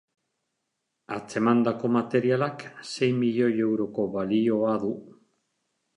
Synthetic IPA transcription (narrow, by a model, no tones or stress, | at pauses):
at͡se̞mand̪ako̞mat̪e̞ɾialakse̞jmiʎo̞je̞wɾo̞ko̞βalio̞aðu